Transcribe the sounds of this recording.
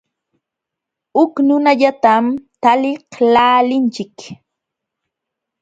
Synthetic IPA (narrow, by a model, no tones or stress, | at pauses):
ʊknʊnaʎat̪amt̪alɪhlaːlɪnt͡ʃɪk